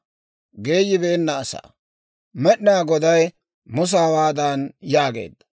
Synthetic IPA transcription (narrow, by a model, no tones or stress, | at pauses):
ɡe̞ːd͡ʒɪbe̞ːnːɐːsa̰ː | mɛɗnaːɡɔd̪ɐj | mʊs̬aːwaːd̪aːnjaːɡḛːd̪ːɐ̥